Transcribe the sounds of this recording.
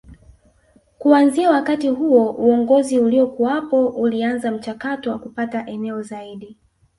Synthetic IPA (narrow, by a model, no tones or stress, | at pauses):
kuanziawakatiɦuɔuɔŋɡɔziuliɔkuwapɔʔulianzam̩t͡ʃakatɔwakupataʔɛnɛɔzaiɗi